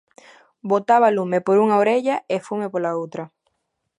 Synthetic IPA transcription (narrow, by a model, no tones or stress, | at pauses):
bot̪aβalumepoɾuŋaoɾeʎaʔefumepolaowt̪ɾɐ